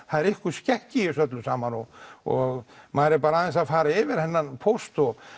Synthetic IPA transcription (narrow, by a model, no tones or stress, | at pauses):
θaðɛɾɪhkʏscɛhcɪɪsœt̪̬lʏsaːmanɔɣɔɣmaɾɪɾpaːɾaaːðɛnsaðfaːɾaɪːvɪɾ̥hɛnːanpʰowst̪ɔɣ